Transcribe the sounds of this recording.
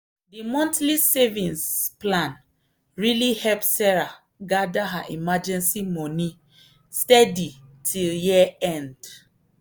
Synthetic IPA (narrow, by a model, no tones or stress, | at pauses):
dimɔ̃ntlisɛvĩnsplãn | ɹilihɛlpsɛɹa | ɡadaɦaʔimad͡ʒɛ̃nsimɔni | stɛditʰiljiɛ̃nd